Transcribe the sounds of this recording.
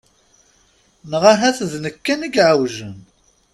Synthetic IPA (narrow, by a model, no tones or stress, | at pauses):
nʁaɦæθðnəkːæniɡʕəwʒən